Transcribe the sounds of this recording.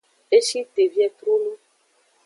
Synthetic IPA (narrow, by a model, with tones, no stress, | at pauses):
e˦ʃi˦t̪e˨vi˦ɛ˦t̪ɾu˦nũ˦